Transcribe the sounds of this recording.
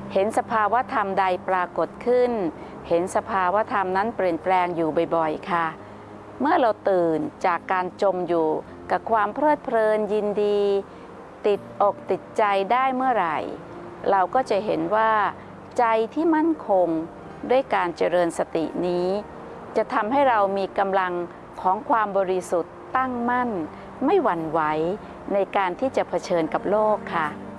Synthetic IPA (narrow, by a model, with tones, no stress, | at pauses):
he˩˦nsa˧pʰaː˧wa˦˥t̪ʰa˧mda˧jpɾaː˧ko˨˩t̪̚kʰɯ˥˩n | he˩˦nsa˧pʰaː˧wa˦˥t̪ʰa˧mna˦˥npɾi˨˩ən̚pɾɛː˧ŋjuː˨˩bɔ˨˩jbɔ˨˩jkʰa˥˩ | mɯ˥˩ɐɾa˧wt̪ɯː˨˩nt͡ɕaː˨˩kːaː˧nt͡ɕo˧mjuː˨˩ | ka˨˩kʰwaː˧mpʰɾɤː˥˩t̪̚pʰɾɤː˧nji˧ndiː˧ | t̪i˨˩t̪̚ʔɔː˨˩k̚t̪i˨˩t̪̚t͡ɕa˧jdaː˥˩jmɯ˥˩ɐɾa˨˩j | ɾa˧wkɔː˥˩t͡ɕa˨˩ɦe˩˦nwaː˥˩ | t͡ɕa˧jt̪ʰiː˥˩ma˥˩nkʰo˧ŋ | du˥˩əjkaː˧nt͡ɕa˧ɾɤː˧nsa˧t̪ḭ˨˩ʔniː˦˥ | t͡ɕa˨˩t̪ʰa˧mha˥˩jɾa˧wmiː˧ka˧mla˧ŋ | kʰɔː˩˦ŋkʰwaː˧mbɔː˧ɾi˧su˨˩t̪ːa˥˩ŋma˥˩n | ma˥˩jwa˧nwa˦˥j | na˧jkaː˧nt̪ʰiː˥˩t͡ɕa˨˩pʰa˧t͡ɕʰɤː˧nka˨˩p̚loː˥˩kʰːa˦˥˩ʔ